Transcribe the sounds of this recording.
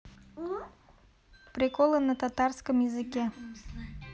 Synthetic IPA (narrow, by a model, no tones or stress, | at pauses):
pɾʲɪkolˠənət̪at̪arskəmjɪzɨkʲe